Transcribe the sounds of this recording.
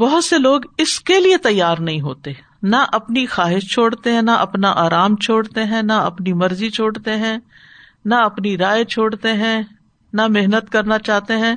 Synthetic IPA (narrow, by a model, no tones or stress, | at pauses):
bɔɦʊt̪seloːɡɪskeliet̪ɐjːaːɾnɐɦĩɦoːt̪e | naʔɐpnixaːɦɪʃt͡ʃʰoːɽt̪eɦɛ̃naʔɐpnaʔaːɾaːmt͡ʃʰoːɽt̪eɦɛ̃naɐpnimɐɾzit͡ʃʰoːɽt̪eɦɛ̃ː | naɐpniɾaːjt͡ʃʰoːɽt̪eɦɛ̃ | nameɦnət̪kɐɾnat͡ʃaːɦt̪eɦɛ̃